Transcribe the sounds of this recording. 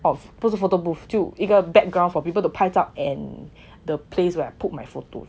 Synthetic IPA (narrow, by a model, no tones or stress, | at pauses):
ɔfputsufotobuftjuiɡəbɛk̚ɡɹãʊ̃nfɔpip̬əltupʰaɪtapɛ̃n | dəpʰleswɛajput̚majfoto̰